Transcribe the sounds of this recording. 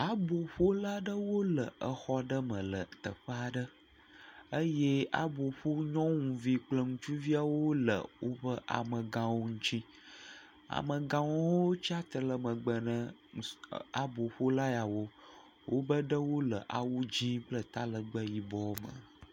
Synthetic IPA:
a˨bo˨ɸo˦la˦ɖə˦wo˦lə˨ə˨xɔ˦ɖə˦mə̃˨lə̰˨t̪ə̰˨ɸə˦a˨ɖə˦ | ə˦je˦a̰˦bo˨ɸo˦ɲɔ̃˦ŋũ˨vi˦k͡plə˦ŋũ˦t͡ʃu˦vi˦a˦wo˦lə̰˨wʔo˦bə˦ʔa̰˨mə̃˨ɡã˨wo˦ŋũ˦t͡ɕi˦ | a̰˨mə̃˨ɡã˨wo˦wo˦t͡ɕi˦a˦t̪ə˨lə˨mə̃˨ɡ͡bə˨nə̃˦˨ | a˨bo˨ɸo˦la˦ja˨wo˦ | wo˦bə˦ɖə˦wo˦lə˨ʔa̰˨wu˦d͡ʑĩ˦k͡plə˦t̪a˦lə˨ɡ͡bə˦ji˨bɔ˦mə̰̃˨

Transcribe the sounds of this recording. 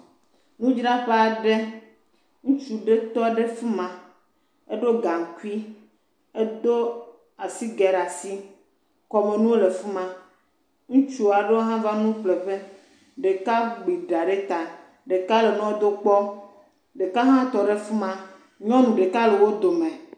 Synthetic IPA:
nũ˦d͡ʒna˦ɸe˦a˨ɖe˦ | ŋũ˦t͡ʃu˨ɖe˦t̪ɔ˦ɖe˦fu˦mã˨ | e˦ɖo˦ɡa˨ŋ˨ku˦i˦ | e˦d̪o˦ | a˨si˦ɡɛ˨ɾa˨si˦ | kɔ˨me˨nũ˦wo˦le˨fu˦mã˨ | ŋũ˦t͡ʃu˦˨a˨ɖe˦wo˦ɦã˦va˦nũ˦k͡ple˨ɸe˦ | ɖe˨ka˦ɡ͡bi˨ɖa˨ɖe˦t̪a˨ | ɖe˨ka˦le˨nɔ̃˦wd̪o˦k͡pɔ˦ | ɖe˨ka˦ɦã˦t̪ɔ˨ɖe˦fu˦mã˨ | ɲɔ̃˦nũ˨ɖe˨ka˦le˨wo˦d̪o˨mẽ˨

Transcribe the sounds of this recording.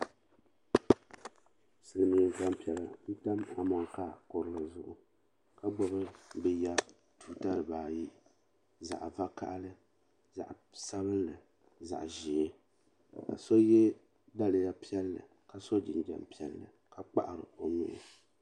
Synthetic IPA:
sɨ˨lɨ˨mi˨ba˦mpi˨ɛ˨la˨ni˦ta˦ma˨mɔ˨ŋ˨ka˦˨ko˨ɾɨ˦lɨ˨zʊ˨ʔʊ˨ | ka˦ɡ͡bɔ˨bɨ˦bɛ˦ja˦ | tuː˨ta˦ɾɨ˨baː˨ji˦ | za̰˨ʔva˦ka̰˦ʔlɨ˦ | za̰˨ʔsa˦βɨ˦n˦lɨ˨ | za̰˨ʔʒi˨e˦ | ka̰˨so˦jɛ˦ | da˦lɨ˨ja˦pi˦ɛ˦lːɨ̰˨ | ka˨so˦d͡ʒɪ˨nd͡ʒa̰˨mpi˦ɛ˨lːɨ̰˨ | ka˨k͡pa̰˦ʔa˨ɾɨ̰˨o˨nʊ̰˦ʔɪ̰˨

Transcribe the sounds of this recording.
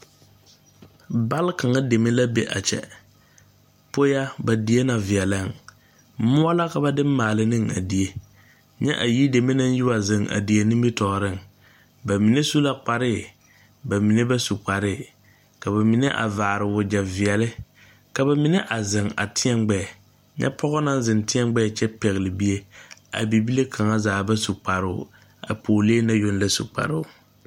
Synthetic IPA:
ba˦lka˨ŋa˦de˨me˦la˦bḛ˦ʔa̰˨t͡ʃɛ̰˨ | po˦ja˦ba˨di˨e˦na˨vɪ˨ɛ˨la˦˨ŋ˦ | mʊ˦a˦la˦ka˨ba˦dɨ˦mː˦aː˨lɪ˦nɨ˦ŋa̰˨di˨e˦ | ɲɛ˦ʔa˨ji˦de˨me˦na˦n˦jɪ˦wa˨zɪ˨ŋa̰˨di˨e˨nɪ˦bi˦tɔ˨ɾɪ˦˨ŋ | ba˨mi˨ne˦su˦la˦k͡pa˨ɾɪ˦ | ba˨mi˨ne˦ba˦su˨k͡pa˨ɾɪ˦˨ | ka˨ba˨mɪ˨ne˦ʔa̰˨vaː˨ɾɪ˨wʊ˨d͡ʒa˨vɪ˨ɛ˨lɪ˦ | ka˨ba˨mɪ˨ne˦ʔa˨zɪ˨ŋa̰˨tʰɪ˦ɛ˦mɡ͡bɛ˦˨ | ɲɛ̰˦pʰɔ˦ɣɔ˦na˦n˦zɪ˨ntɪ˦ɛ˦ɡ͡bɛ˦˨t͡ʃɛ˦pɛ˨ɣɪ˨lɪ˨bi˦e˦a̰˨bi˨bi˦le˦kʰa˨ŋa˦zaː˨ba˦su˨k͡pa˨ɾʊ̰˦˨ | a̰˨pʰoː˨leː˦na˦jo˦nla˦sṵ˨k͡pa̰˨ɾɪ˦˨

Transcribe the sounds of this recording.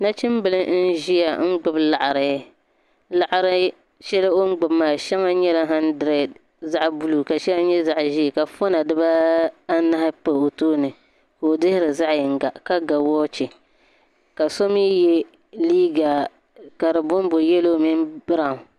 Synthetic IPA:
na˦t͡ʃɪ˦mbɨ˦lɨ˦n̩˦ʒi˦ja˨ŋ̩˦ɡ͡bʊ˨bla˨ʔa˨ɾɨ˨˦ | la˨ʔa˨ɾɨ˦ | ʃɛ˦lɨ˦o˦ŋ̩˦ɡ͡bʊ˨bmaː˦˨ʃa˦ŋa˦ɲɛ˦la˦ɦa˦ndɨ˨ɾɛ˨ | za˦ʔbu˦lu˨ka˨ʃɛ˦la˦ɲɛ˦za˨ʔʒi˦˨ka˨fo˦na˨dɨ˦ba˦a˦na˦ha˦pa˨o˨toː˦nɨ˨ | ko˨dɨ˦hɪ˦ɾɨ˨za˦ʔjɪ˨ŋ˦ɡa˨ka˦ɡa˨wɔː˦t͡ʃɪ˨ | ka˨so˦mi˦jɛ˦ | liː˦ɡa˨ | ka˨ɾɨ˨bʊ˦m˦bo˨jɛ˦loː˦mi˦nbɨ˦ɾa˨ŋ˨

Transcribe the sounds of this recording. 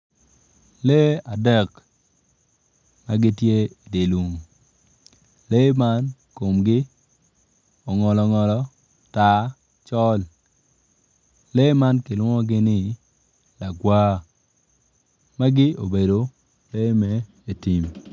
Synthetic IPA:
le˦a˨dɛ˦˨k | ma˦ɡɪ˦tje˦˨de˨lu˨ŋ˨ | le˦ma˦nko˨mɡɪ˦ | ɔ˨ŋɔ˨lɔ˨ŋɔ˨lɔ˦ | ta˦ | t͡ʃɔ˦l | le˦ma˦nkɪ˨lwɔ˦ŋɔ˦ɡɪ˦nɪ˦ | la˨ɡwaː˦ | ma˦ɡɪ˦o˨be˨do˨ | le˦mɛ˦ | e˨ti˨m

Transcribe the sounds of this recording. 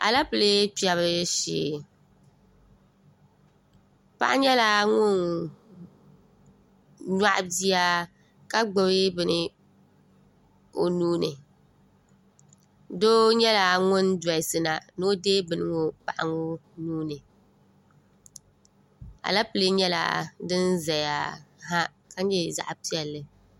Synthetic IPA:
a̰˨la˦pɨ˨le˦pi˨a˨βɨ˦ʃḭː˨ | pa̰˦ʔa˦ɲɛ˦la˨ŋʊ˦n | ɲa˦ʔzi˦a˦ | ka˦ɡ͡bɨ˨βɪ˦bɨ˨nɨ˦ | o˨nuː˦nɨ˨ | doː˦ɲɛ˦la˨ŋʊ˦nda˨ɪ˨sɨ˨na˨no˦deː˦bɨ˨nɨ˦ŋʊ˦pa̰˨ʔa˨ŋʊ˦nuː˦nɨ˨ | a̰˨la˦pɨ˨le˦ɲɛ˦la̰˨dɨ˦nza˨ja˨ɦa˦ | ka˦ɛ˦˨za̰˦˨ʔpi˦ɛ˨lːɨ˨

